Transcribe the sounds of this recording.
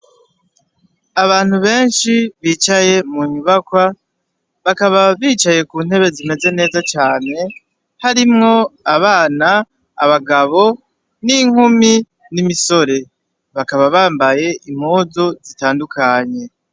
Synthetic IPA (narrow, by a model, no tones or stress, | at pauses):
aβaːn̥huβe̞ːnʃiβiːt͡ʃaje̞muɲuβakwa | βakaβaβiːt͡ʃaje̞kuːnhe̞βe̞zime̞ze̞ne̞ːzat͡ʃaːne̞ | haɾimŋo̞aβaːnaː | βaɡaβo̞ | niŋ̥humi | nimiso̞ɾe̞ | βakaβaβaːmbaje̞ʔim̥hoːzozitaːndukʰaɲe̞